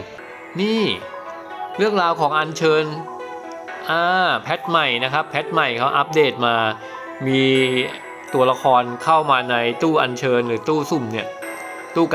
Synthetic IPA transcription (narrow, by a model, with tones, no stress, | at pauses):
niː˥˩ | ɾɯ˥˩əŋɾaː˧wkʰɔː˩˦ŋʔa˧nt͡ɕʰɤː˧n | ʔaː˧˩pʰɛ˦˥t̪̚ma˨˩jna˦˥kʰɾa˦˥pʰːɛ˦˥t̪̚ma˨˩jkʰa˦˥wʔa˦˥p̚deː˥˩t̪̚maː˧ | miː˧ | t̪u˧ɐla˧kʰɔː˧nkʰa˥˩wmaː˧na˧jt̪uː˥˩ʔa˧nt͡ɕʰɤː˧nɾɯː˩˦t̪uː˥˩su˨˩mni˥˩ɐ | t̪uː˥˩k